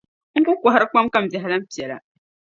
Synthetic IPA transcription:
ŋ̩˦ku˦kʷɔ˨ɦa˦ɾɨ˦k͡pa˦mka˦m̩˨bja˨ɦa˨la˦m̩˦pi˨ɛ˨la̰˨

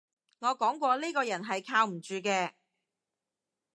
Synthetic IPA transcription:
ŋɔː˨˧kɔː˨˥ŋkʷɔː˧liː˥kɔː˧jɐ˨˩nɦɐ˨jkʰaː˧wm̩˨˩t͡ʃyː˨˧k̬ɛː˧

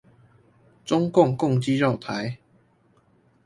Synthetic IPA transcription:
t͡sʊ˦ŋkʊ˥˨ŋkʊ˥˨ŋt͡ɕi˦ʈ͡ʂɑ˥˨ʊt̪ʰa˨˦j

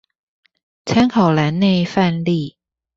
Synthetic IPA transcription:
t͡sʰɛ˥nkʰɑ˨˩wla˨˥nne˥˧jfa˥˧nli˥˧˩

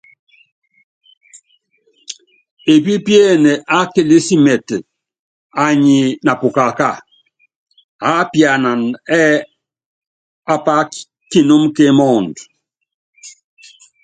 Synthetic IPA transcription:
e˨bi˦pjɛ˦ne˨ʔa˦ke˨li˦si˦mɛ˨t | a˨ɲi˨na˨pu˨ka˨ka˦˨ | a˨˦pi˨a˨na˨nɛ˦ | a˨pa˦ | ki˦˨no˦mke˦mɔ˦˨nd

